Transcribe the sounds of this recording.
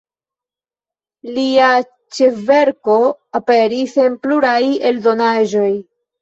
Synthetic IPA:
lia | t͡ʃe̞ve̞ɾko̞ape̞ɾise̞npluɾaje̞ldo̞naʒo̞j

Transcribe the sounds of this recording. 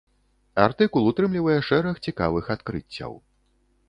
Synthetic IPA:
art̪ɨkulˠut̪ɾɨmlʲivɐjɛʂɛɾɐxt͡sʲika̰vɨxat̪kɾɨ̰t͡sʲːɐ̰w

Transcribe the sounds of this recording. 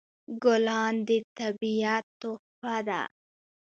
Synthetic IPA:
ɡʊlɑnd̪ət̪abijat̪ːopad̪a̰

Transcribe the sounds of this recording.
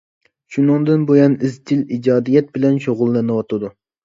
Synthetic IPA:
ʃunɨŋd̪ɨnbojɑnɪzd͡ʒ̪ɪlid͡ʒɑːd̪ijɛt̪̚bɪlɛnʃoʁʊlˠːɛnɨwɑt̪ʰɨd̪u

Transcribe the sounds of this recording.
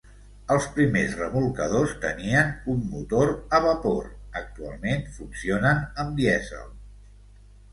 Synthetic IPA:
əlˠspɾimezrəmulˠkəð̞ost̪əniənumːut̪oɾəβəpoɾək̚t̪ua̰lˠmenfunsionənəmd̪iɛzə̰lˠ

